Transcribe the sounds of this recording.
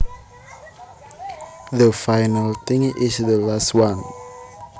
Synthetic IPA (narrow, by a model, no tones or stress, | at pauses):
ðəfajnəlt̪ɪ̃ŋɪsðəlastwãn